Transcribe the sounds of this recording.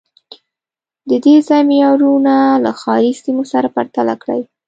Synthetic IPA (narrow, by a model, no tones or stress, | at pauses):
d̪əd̪ezajmjɑɾunalaxɑɾisimosaɾapaɾt̪ala̰kɽa̰j